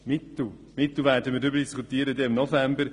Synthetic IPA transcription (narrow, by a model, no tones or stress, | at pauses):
mɪt̪l̩ | mɪt̪l̩ˠʋɛːɾdəmiːɾdʏbəɾd̥iskʰut̪iːəɾəd̪ɛɪmnɔfɛmbəɾ